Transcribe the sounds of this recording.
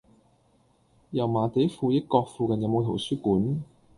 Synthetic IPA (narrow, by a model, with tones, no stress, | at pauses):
jɐ˨˩wmaː˨˩t̪e˨˥fuː˧jɪ˥kːɔː˧k̚fuː˨˧kɐ˨njɐ˨wmo˨˧wt̪ʰo˨˩wsyː˥kuː˨˥n